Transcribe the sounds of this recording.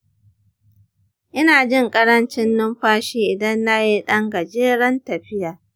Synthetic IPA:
ʔɪ˦naː˨d͡ʒɪ˦ŋkʼɐ˦ɽɐ˦nt͡ʃɪ˦nːʊ˦mɸaː˦ʃiː˦ʔɪ˨dɐ˦nːa˦ji˦ɗɐ˦ŋɡɐ˨d͡ʒeː˦ɽɐ˦ntɐ˨ɸɪ˦jaː˨

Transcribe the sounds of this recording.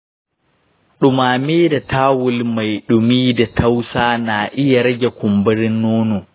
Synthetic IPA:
ɗʊ˨maː˨meː˦da˨tʰaː˦wʊ˦lma˨jɗʊ˨miː˦da˨tʰa˦wsaː˦na˨ʔɪ˦ja˨ɾɐ˦ɡʲɛ˨kʷʊ˨mbɐ˦ɾɪ˦nːoː˦no˨

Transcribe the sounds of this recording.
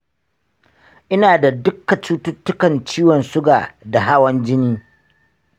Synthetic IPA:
ʔɪ˦naː˨da˨dʊ˦kːa˨t͡ʃuː˦tʊ˦tːʊ˦kɐ˨nt͡ʃiː˦wɔ˨nsʊ˦ɡaː˨da˨ɦa˦wɐ˦nd͡ʒɪ˦niː˦

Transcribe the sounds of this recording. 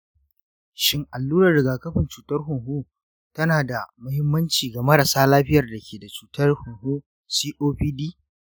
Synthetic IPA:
ʃɪ˦ŋʔa˨lːuː˦ɾɐ˨rɽɪ˨ɡaː˨kɐ˦ɸɪ˨nt͡ʃuː˨tɐ˦rɦʊ˨ŋɦu˦ | tɐ˦naː˨da˨mʊ˦hɪ˦mːɐ˦nt͡ʃiː˨ɡɐ˨mɐ˦ɽɐ˨saː˦laː˦ɸɪ˦jɐ˨rda˨kʲeː˨da˨t͡ʃuː˨tɐ˦rhʊ˨ŋhu˦ | siː˦ʔoː˦ɸiː˦diː˦

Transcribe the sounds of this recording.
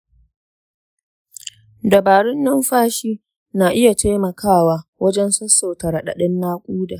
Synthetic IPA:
dɐ˨baː˨ɽɪ˦nːɐ˦mɸaː˦ʃiː˦ | naː˨ʔɪ˦ja˨tʰa˦jmɐ˨kʰaː˦˨waː˨wɐ˦d͡ʒɛ˦nsɐ˦sːo˨tɐ˨ɾɐ˨ɗa̰˨ɗɐ˦nːaː˦kʷʼuː˦daː˨

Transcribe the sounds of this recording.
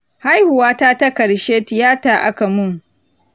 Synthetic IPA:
ha˦jhʊ˨waː˦ta˦ta˦kɐ˨ɽʃeː˦tɪ˨jaː˦taː˨ʔa̰˦ka˨mʊ˦ŋ

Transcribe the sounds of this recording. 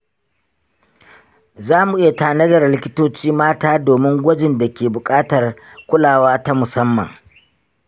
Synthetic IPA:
zaː˦mu˨ʔɪ˦ja˨taː˨nɐ˦dɐ˨rlɪ˦kʲɪ˦toː˦t͡ʃiː˦maː˦taː˦doː˨mɪ˦ŋɡʷɐ˦d͡ʒɪ˨nda˨kʲeː˨bʊ˨kʼaː˦tɐ˨r | kʷʊ˦laː˨waː˦ta˦mʊ˨sɐ˦mːɐ̰˨ŋ

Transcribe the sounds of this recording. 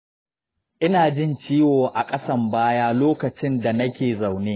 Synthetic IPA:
ʔɪ˦naː˨d͡ʒɪ˦nt͡ʃiː˦woː˨ʔa˨kʼɐ˦sɐ˦mbaː˦jaː˦loː˦kɐ˨t͡ʃɪ˦nda˨nɐ˦kʲeː˨za˨wneː˦

